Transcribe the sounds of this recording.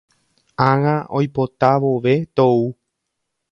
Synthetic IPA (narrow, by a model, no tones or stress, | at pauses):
aŋaojpo̞t̪aʋo̞ʋe̞t̪ou